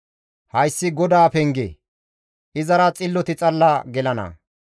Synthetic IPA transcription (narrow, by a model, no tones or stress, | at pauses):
hɐjsːɪɡɔd̪aːpɛŋɡḛ | ʔɪzɐɾɐt͡sʼɪlːɔt̪ɪt͡sʼɐlːaɡɛlɐnɐ̰